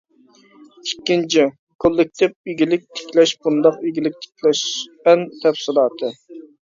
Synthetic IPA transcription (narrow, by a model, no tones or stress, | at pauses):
ikʲːint͡ʃʰi | kʰolˠːɪk̚ʲt̪ʰɪp̚iɡʲilɪk̚ʲt̪ʰe̥kʲlɛʃb̥und̪ɑqeɡʲilɪk̚ʲt̪ʰe̥kʲlɛʃɛnt̪ʰɛfsɪlˠɑːt̪ʰɨ